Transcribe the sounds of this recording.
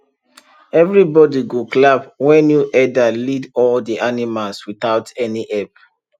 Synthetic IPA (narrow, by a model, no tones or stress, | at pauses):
ɛvɹibɔdiɡoklabwɛnjuʔɛdalidɔldiʔanimalswiθaʊtʰɛniʔɛp